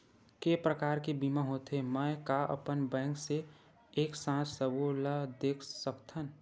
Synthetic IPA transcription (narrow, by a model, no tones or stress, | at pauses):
kepɾəkaːɾkebimaɦot̪eməkaʔə̰pənbɛ̃ːŋkse | eːksãːt͡ʃsəbolad̪eːkʰsəkt̪ʰən